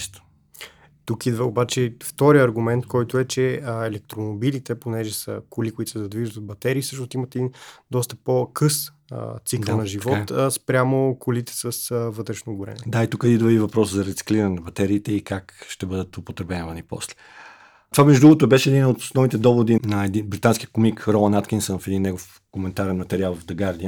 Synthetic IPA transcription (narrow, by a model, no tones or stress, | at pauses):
st̪o̥ | t̪ukid̪vəobat͡ʃɛft̪ɔɾiəɐɾɡʊmɛnt̪̚kɔjt̪ʊɛt͡ʃɛɛlɛk̚t̪ɾomobilit̪ɛponɛʒɛsə̰kʊlikʊit̪ʊ̥sɛzɐd̪viʒət̪ot̪̚bɐt̪ɛɾiːfsɤʃnost̪imɐt̪ɛd̪ind̪ɔst̪ə̥pokʰɤs | t̪sikkəlˠnɐʒivɔt̪spɾʲjamokʊlit̪ɛ̥səsvɤt̪ɾɛʃnoɡʊɾɛ̰n̰ːd̪ait̪ukəd̪id̪ovɛd̪ivɐpɾɔszɐɾɛt̪si̥kliɾənɛnɐbɐt̪ɛɾiːt̪ɛikakʃt̪ɛbɤəd̪ət̪opot̪ɾɛbɛnvɐnipɔ̰slɛ̥ | t̪ovamɛʒud̪uɡot̪oɛbɛʃɛɛd̪inot̪snɔvit̪ɛd̪ɔvod̪inɐɛd̪inbɾit̪anskʲijəkomikɾɔmanat̪kʲinsənfɛd̪inːɛɡof | komɛnt̪aɾɛnmɐt̪ɛɾialˠvvd̪ɐɡaɾd̪ijə